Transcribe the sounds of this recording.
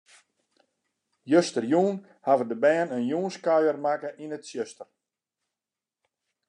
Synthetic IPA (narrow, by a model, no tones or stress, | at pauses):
jøstərjuːn | haʋədəbɛːnənjuːnskajərmakəʔinətsjøstər